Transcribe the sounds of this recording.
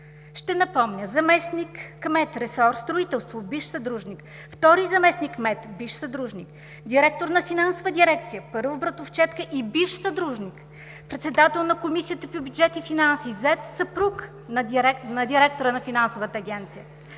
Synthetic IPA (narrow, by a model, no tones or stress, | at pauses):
ʃt̪ɛnɐpɔmnʲəzɐmɛsnikːmɛt̪ɾɛsɔɾst̪ɾʊit̪ɛlˠst̪vobiʃsɐd̪ɾuʒnik | ft̪ɔɾizɐmɛsnikmɛt̪biʃsɐd̪ɾuʒnik | d̪ʲiɾɛk̚t̪oɾnɐfinansovəd̪ʲiɾɛkt̪sijəpɤɾvobɾɐt̪oft͡ʃɛt̪kəʔibiʃsɐd̪ɾuʒnʲik | pɾɛt̪sɛd̪at̪ɛlˠnɐkomisijət̪əpobʲjud͡ʒɛt̪ifinansizɛt̪sɐpɾuk | nɐɛnɐd̪ʲiɾɛk̚t̪oɾənɐfinansovət̪əːɡʲɛnt̪sijə